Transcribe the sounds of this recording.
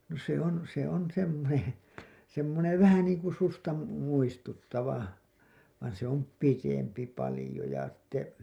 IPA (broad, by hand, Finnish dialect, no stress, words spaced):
no se on se on semːonen̞ semːoneʋ ʋæhæ niːŋku sustɑ mu muistutːɑʋɑ ʋɑin se om pitempi pɑlĭjo jɑ sĭ̥tːe